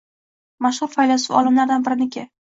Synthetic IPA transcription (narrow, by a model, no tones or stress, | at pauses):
maʃhʊɾfajlasɪvɒ̰lˠɪmlaɾd̪anbɪɾɪnɪkʲɪ